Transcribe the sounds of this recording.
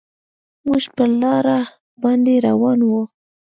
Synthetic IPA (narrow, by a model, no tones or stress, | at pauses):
muʒpəlɑɾa | bɑnd̪eɾa̰wɑnwu